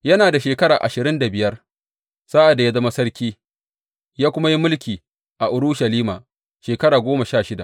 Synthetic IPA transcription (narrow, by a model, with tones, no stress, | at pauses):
jɐ˦naː˨da˨ʃeː˨kɐ˦ɾaː˨ʔa˨ʃɪ˨ɾɪ˦nda˨bɪ˨jɐ˦r | sa˦ʔa˨da˨ja˦zɐ˦ma˦sɐ˦ɽkʲiː˦ | jaː˦kʷʊ˦ma˦ji˦mʊ˦lkʲiː˨ | ʔa˨ʔʊ˨ɾʊ˦ʃɐ˨liː˦ma̰ː˨ | ʃeː˨kɐ˦ɾaː˨ɡʷoː˦ma˨ʃaː˦˨ʃɪ˦da˨